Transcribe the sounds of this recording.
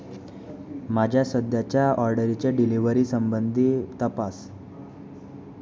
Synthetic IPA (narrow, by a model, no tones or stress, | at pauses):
mad͡ʑʱjasəd̪jat͡ɕjaɔɾɖəɾit͡ɕjaɖiliʋəɾiːsəmbənd̪ʱiːt̪əpas